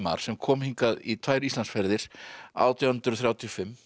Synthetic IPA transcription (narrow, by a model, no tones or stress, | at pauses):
ma̰ɾ̥sɛmkʰɔːmhiŋkaðit̪ʰaːjɾist̪ansfɛɾðɪɾ̥a̰ːwt̪ʰjawhʏnt̪ɾʏθɾjawt̪ʰjɔfɪmː